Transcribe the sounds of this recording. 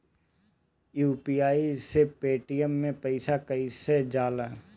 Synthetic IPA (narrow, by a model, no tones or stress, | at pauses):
juːpiːaːisepeːʈijəmːẽpɐɪsakəised͡ʒaːlaː